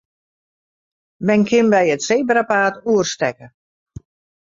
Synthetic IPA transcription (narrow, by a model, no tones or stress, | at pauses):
mɛnkʰɪnbɛjətseːbrapaːtuərstɛkə